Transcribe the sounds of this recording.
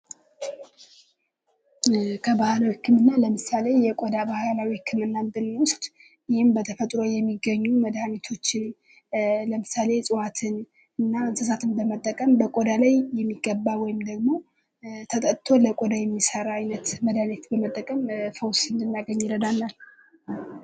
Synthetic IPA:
kʰəbahalawihɨkːɨmɨnːaləmɨsale̞jɛkʼod̪abahalawihɨkʰːɨmɨnːamd̪ɨnwʊst̪ʼ | jɪhɪmbət̪ʰəfət̪ʼɾojɛmːiɡəɲːuməd̪anet̪ʰo̞t͡ʃːɪn | ləmɨsale̞sʼɨwat̪ʰɨn | ɨnːaɨnsəsat̪ʰɨnbəmət̪ʼːəkʼəmbəkʼod̪alajːɛmːiɡəbːawɔjɪmd̪əɡmo̞ | t̪ʰət̪ʼət̪ʰo̞ləkʼod̪ajɛmːisəɾaajnət̪məd̪anet̪bəmət̪ʼːəkʼəmfəwsɨnd̪ɨnːaɡəɲːiɾəd̪alːal

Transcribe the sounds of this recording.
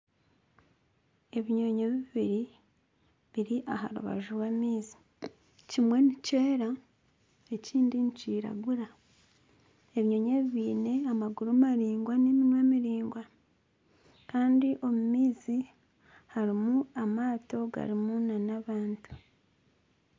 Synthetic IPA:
e̞βiɲo̞ɲe̞βiβiɾi | βiɾiʔaɦa̰ɾṵβa̰ʒuɾwaːmiːzi̥ | cimwe̞niceːɾa | e̞ciːndiɲt͡ʃiːɾa̰ɡuɾa | e̞βiɲo̞ːɲe̞βiβiːne̞amaɡuɾumaɾiːŋɡwanimimwemiɾiːŋɡwa | kaːndiʔo̞mumiːzi | haɾimuamaːto̞ɡa̰ɾimunanaβaːntu̥

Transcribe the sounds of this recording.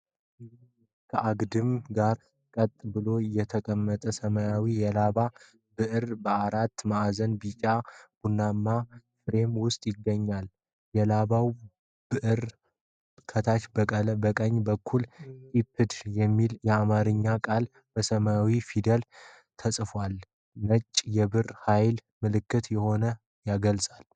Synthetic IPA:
kʰəʔaɡd̪ɨmɡaɾ | kʼət̪ʼbɨlo̞jɛt̪ʰəkʼəmːət̪ʼəsəmajawijɛlaβa | bɨʔɨɾbəaɾat̪ːmaʔazənbit͡ʃʼab̥unːamːafɾe̞mwʊst̪ʼjɪɡːəɲːal | jɛlaβaw | bɨʔɨɾ | kʰət̪ʰat͡ʃbəkʼəlbəkʼəɲːbəkʰːulhipʰːɨd̪jɛmːiljɛamaɾɨɲːakʼal | b̥əsəmaawifid̪əl | t̪ʰəsʼɨfwal | mət͡ʃʼːjɛβɨrhajl | mɨlɨkːɨt̪jɛho̞nə | jaɡəlsʼal

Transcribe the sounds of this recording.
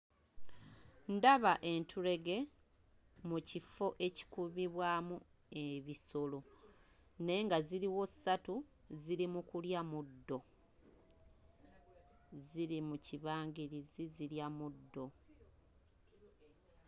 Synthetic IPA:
ndaβaʔe̞ntʰuɾe̞ɡe̞ | mucifo̞ʔe̞ci̥kuβiβwaːmu | e̞βiso̞lo̞ | ne̞ŋɡaziɾiwo̞satu | ziɾimukuljamudːo̞ | zilimuciβaːŋɡiɾiziziljamudːo̞

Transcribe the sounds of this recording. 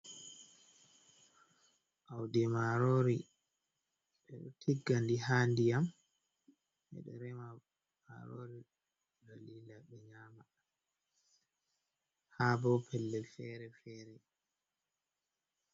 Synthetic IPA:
ʔawdɛmaɾoɾi | ɓɛɗɔ̰tʰiɡːandihaːndiam | hɛ̰ɗɔ̰ɾɛma | maɾo̰ɾi | ɡalilaɓɛɲaːma | habɔpʰɛlːɛlfɛɾɛfɛːɾɛ

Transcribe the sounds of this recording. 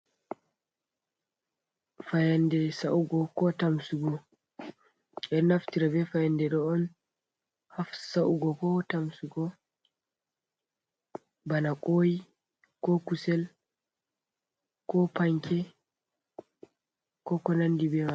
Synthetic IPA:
fajandɛsaʔuɡɔkɔtamsuɡɔ | ɛnaftiɾabɛfajandɛɗɔːn | hafsaʔuɡɔkɔtamsuɡɔ | banakʼoːji | kɔkusɛl | kɔpaŋkʰɛ | kɔkɔnandibɛma

